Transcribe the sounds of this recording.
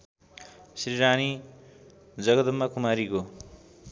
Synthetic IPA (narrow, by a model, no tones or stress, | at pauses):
siɾiɾani | d͡zʌɡʌd̪umːakʰumaɾiko